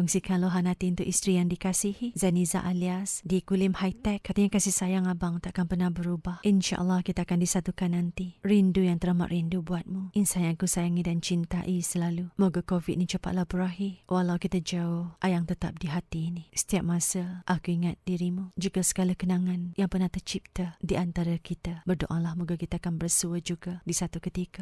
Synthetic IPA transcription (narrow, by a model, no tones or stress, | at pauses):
kuŋsikanloɦanat̪iunt̪ʊʔist̪ɾijaŋdikasihizaniza̰ʔaliasdikulɪmhajt̪ɛkːat̪əɲakasɪhsajaŋabaŋt̪aakanpərnahbəɾubahʔinʃa̰ʔə̰lːahkit̪aakandisat̪ukanːant̪irindujaŋt̪əɾama̰ʔ̪rindubuat̪̚muʔinsajaŋkusajaŋidant͡ʃint̪a̰ʔisəlalumoɡakovit̪̚nit͡ʃopa̰ʔ̪̚lahbəɾaɦiwʔalawkit̪ad͡ʒaʊhʔajaŋt̪ət̪ap̚diɦat̪iːnisə̥t̪iap̚masəʔakuiŋat̪̚d̥iɾimud͡ʒuɡasə̥ɡalakənaŋanjaŋpərnaht̪ət͡ʃip̚t̪ədiʔant̪aɾakit̪abərdo̰ʔalahmuɡakit̪aakanbərsuəd͡ʒuɡadisat̪ukət̪ika